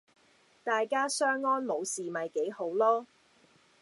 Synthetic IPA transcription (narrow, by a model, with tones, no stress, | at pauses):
t̪aː˨jkaː˥sœː˥ŋːɔː˥nmo˨˧wsiː˨mɐ˨jke˨˥jho˨˥wlɔː˥